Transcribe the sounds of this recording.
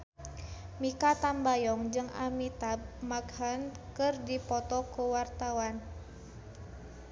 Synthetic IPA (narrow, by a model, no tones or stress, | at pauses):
mikat̪ambajɔŋd͡ʒɨŋa̰mit̪ab̚maɡhankɨrdipɔt̪ɔkuwart̪awan